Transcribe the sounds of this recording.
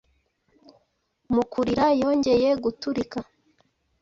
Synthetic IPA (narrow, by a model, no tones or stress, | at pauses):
mukuɾiɾajo̞ːɲɟe̞je̞ɡutuɾika